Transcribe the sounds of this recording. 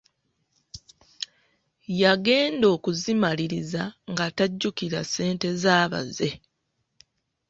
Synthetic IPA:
jaɡe̞ːndo̞ːkuzimaliɾizaŋɡataɟːukiɾase̞ːnte̞zaːβa̰ze̞

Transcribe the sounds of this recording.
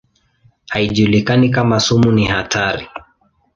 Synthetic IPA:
haiʄulikanikamasumunihatʰaɾi

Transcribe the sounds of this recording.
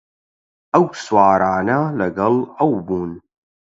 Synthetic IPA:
ʔɐwswaːɾaːnɐlɐɡɐlɐwbuːn

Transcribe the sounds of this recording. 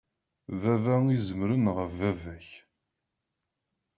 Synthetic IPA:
vævæizəmɾənʁəfːævæç

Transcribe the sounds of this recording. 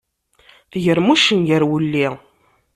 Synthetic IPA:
θʝəɾmuʃənjəɾwəlːi

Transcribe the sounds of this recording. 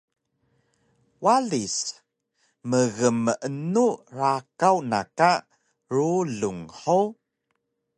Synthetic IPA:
waɮis | məɣəməʔənuɾakawna̰ka | ɾuɮuŋħo

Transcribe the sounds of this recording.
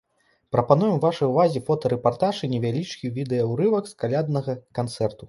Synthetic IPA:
pɾɐpanujɛmvaʂɐjuvazʲifɔt̪ɐɾɛpart̪aʐɨnʲɛvʲalʲit͡ʂkʲivʲid̪ɛjɐwɾɨvɐkskalʲad̪̚nɐɣɐkant̪sɛrt̪u

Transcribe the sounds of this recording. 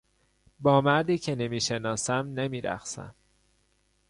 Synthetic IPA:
bɒːmæɾd̪iːcʰe̞nemiːʃe̞nɒːsæmnemiːɾæ̰xsæ̰m

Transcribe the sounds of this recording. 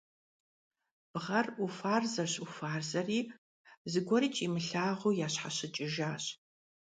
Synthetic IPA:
b̥ʁɐrʔufaːrzɐɕufaːrzɐriː | zɨɡʷɔɾiːt͡ʃʼiːmɨɬaːʁujaːɕħaɕɪt͡ʃʼɪʒaːɕ

